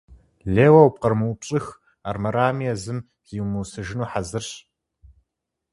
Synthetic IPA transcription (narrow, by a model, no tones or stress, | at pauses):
ɮeːwɐwp̚qɐrmɨwpɕʼɨx | aːrmɐɾaːmijɛzɨm | z̥iːwmɨwsɨʒɪnuːħazɨrɕ